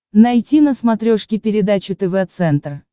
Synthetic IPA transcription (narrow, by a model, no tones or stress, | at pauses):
nɐjtʲinəsmɐt̪ɾʲoʂkʲɪpʲɪɾʲɪd̪at͡ɕʊt̪ɛvɛt̪sɛnt̪r